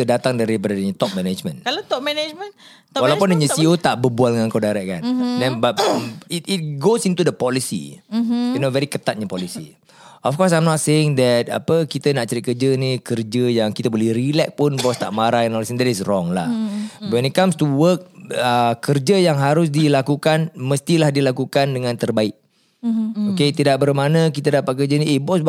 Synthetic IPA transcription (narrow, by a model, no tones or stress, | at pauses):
ədat̪aŋdaɾibadadəɲət̪ɔp̚mɛned͡ʒmə̰̃nklat̪ɔp̚mɛned͡ʒmə̃n | walawpʊndəɲəsiot̪aʔbəbualdəŋãnkawdaɾɛʔ̚kandɛ̃nbatəmit̚it̚ɡosint̪udəpɔlisḭjunovɛɾikət̪at̪̚ɲəpɔlisi | ɔfkɔs̬ajmnɔt̚seɪŋd̪ɛt̪̚a̰pəkit̪ənaʔt͡ʃəɾitkərd͡ʒənikərd͡ʒəjaŋkit̪əbolɛhrilɛk̚pʊnbɔst̪a̰ʔmaɾahinɔlisĩnd̪ɛtisrɔŋla̰wɛ̃nit̚kãmst̪uwək̚əkːərd͡ʒəjaŋɦaɾʊs̬dilakukanməst̪ilahdilakukandəŋãnt̪ərbaɪʔ̚ | oket̪idaʔ̚bərmanə̃kit̪ədapat̚kərd͡ʒəniʔebɔs